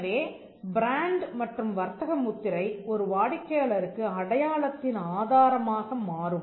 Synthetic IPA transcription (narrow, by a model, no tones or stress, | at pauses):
ʋeː | bɪɾaːɳɖmɐʈrɯmʋɐɾt̪ɐɣɐmːʊt̪ːɪɾɐɪɔɾɯʋaːɽɪkːɐjaːɭɐɾɯkːɯɐɽɐjaːɭɐt̪ːɪnaːðaːɾɐmaːɣɐmaːɾɯm